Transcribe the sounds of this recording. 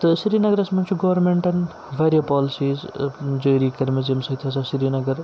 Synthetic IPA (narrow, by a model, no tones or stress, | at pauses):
t̪ɨsiɾiːnɐɡɐɾɐsmɐnt͡ʃʰuɡɐʋɐɾmeɳʈɐn | ʋʱaːɾjɐpɔːlisiːzd͡ʒoːɾiːkɐɾmezemsɐit̪ʰɐsasiɾiːnɐɡɐɾ